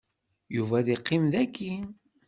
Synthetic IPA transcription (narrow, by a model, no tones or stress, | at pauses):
juvæðiqːimðækʰːin